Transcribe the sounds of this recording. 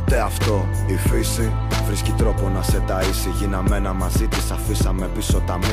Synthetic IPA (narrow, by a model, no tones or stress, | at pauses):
t̪eɐft̪o̞ | ifisi | vɾiscit̪ɾo̞ponɐse̞d̪ɐisiʝinɐme̞nɐmɐzit̪isɐfisɐme̞piso̞t̪ɐmi